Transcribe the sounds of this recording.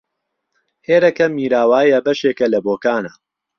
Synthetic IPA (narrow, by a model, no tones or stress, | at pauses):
heːɾɐkɐmiːɾaːwaːjɐbɐʃeːkɐlɐboːkaːnɐ